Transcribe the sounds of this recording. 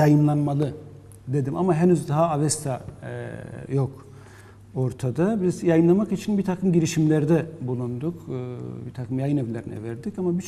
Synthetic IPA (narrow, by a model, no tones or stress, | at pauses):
jajɯmlˠanmalˠɯ | d̪e̞d̪imamaɦenyzd̪aɦaavɛst̪ʰa | jok | oɾt̪ʰad̪abizjajɯmlˠamakit͡ʃʰinbit̪ʰakʰɯmɟiɾiʃimlʲeɾd̪ɛbulˠund̪ukːbit̪ʰakʰɯmjajɯnɛvlʲeɾinɛ̰vɛɾd̪icamabi